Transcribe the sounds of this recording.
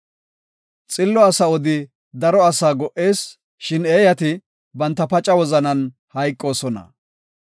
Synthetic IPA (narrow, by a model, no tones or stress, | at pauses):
t͡sʼɪlːɔɐsɐɔd̪ɪ | d̪ɐɾɔɐsaːɡɔʔe̞ːs | ʃɪne̞ːjɐt̪ɪ | bɐnt̪ːɐpɐt͡ʃʼɐwɔzɐnɐn | hɐjkʼːo̞ːsɔnɐ̰